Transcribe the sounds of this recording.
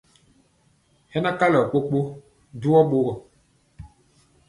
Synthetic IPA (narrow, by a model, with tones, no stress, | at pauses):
hɛ˦na˦ka˦lɔ˨k͡po˦k͡po˦ | du˦ɔ˦ɓo˦ɣɔ˨